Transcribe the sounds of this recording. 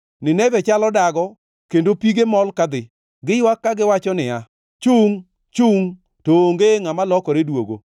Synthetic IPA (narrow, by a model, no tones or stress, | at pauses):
nɪnɛvɛt͡ʃalɔdaɡɔ | kendopiɡemɔlkad̪ɪ | ɡɪjwakːaɡɪwat͡ʃɔnɪa | t͡ʃuŋ | t͡ʃuŋ | toŋɡeŋamalɔkɔɾedwoɡo̰